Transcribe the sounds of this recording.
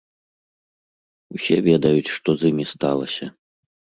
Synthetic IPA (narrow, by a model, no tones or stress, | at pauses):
usʲɛvʲɛd̪ɐjut͡sʲʂt̪ɔzɨmʲist̪alˠɐsʲɐ